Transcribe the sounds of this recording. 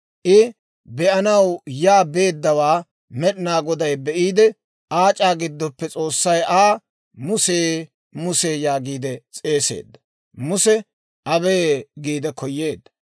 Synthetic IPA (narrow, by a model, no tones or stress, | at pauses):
ʔɪ | bɛʔɐnɐwjaːbe̞ːd̪ːɐwaː | mɛɗɪnaːɡɔd̪ɐjbɛʔiːd̪ɛ | ʔaːt͡ʃʼaːɡɪd̪ːɔpːɛt͡sʼo̞ːsːɐjaː | mʊseː | mʊseːjaːɡiːd̪ɛt͡sʼe̞ːse̞̰ːd̪ːɐ | mʊsɛ | ʔɐbeːɡiːd̪ɛkɔjːeːd̪ːɐ̥